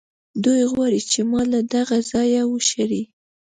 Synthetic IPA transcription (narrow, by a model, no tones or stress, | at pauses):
d̪ujɣwɑɾit͡ʃemɑlad̪aɣazɑjawəʃaɾi